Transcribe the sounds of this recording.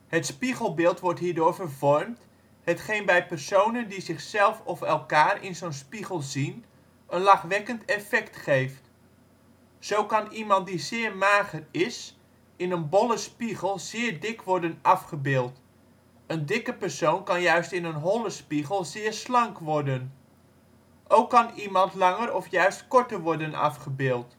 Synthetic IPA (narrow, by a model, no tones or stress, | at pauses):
hətspiχəlˠbɪːlˠtʋɔɹtɦiːɹdʊːɹvərvɔɹmt | hətχejnbɛjpərsownəndizɪχsɛlˠfɔfɛlˠkaːrɪ̰nzownspiχəlˠzin | ənlɑχʋɛkəntɛfɛktχejft | z̥owkɑnimɑnt̚dizɪːɹmaːχərɪs | ɪnənbɔlˠəspiɣəlˠz̥ɪːɹdɪkʰʋɔɹdənɑfχəbɪːlˠt | əndɪkəpəɹsownkɑnjœɥstɪnənɦɔləspiɣəlˠzɪːɹslɑŋkʋɔrdən | ʔowkːɑnimɑntlɑŋərɔfjœɥstkɔɹtəɹʋɔɹdənɑ̰fχəbɪːlˠt